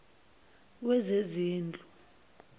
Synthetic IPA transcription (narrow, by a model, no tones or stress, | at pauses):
wɛzeziːnd͡ɮʱu